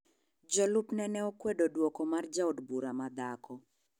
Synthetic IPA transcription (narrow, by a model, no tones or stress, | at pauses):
d͡ʒɔlupnɛnɛɔkwedodwɔkɔmard͡ʒaodbuɾamad̪akɔ